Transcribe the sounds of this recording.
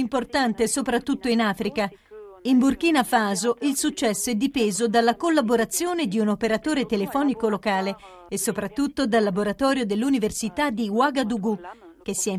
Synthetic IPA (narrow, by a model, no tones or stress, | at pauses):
import̪ant̪esopɾat̪ːut̪ːoinaːfɾika | imburkiːnafaːzoʔilsut͡ʃːɛsːoɛd̪ːipeːzod̪alːakolːaboɾat̪sːjoːned̪iunopeɾat̪oːɾet̪elefɔːnikolokaːle | esːopɾat̪ːut̪ːod̪alːaboɾat̪ɔːɾjod̪elːuniversit̪ad̪iwaɡad̪uɡu | k̟esːiɛ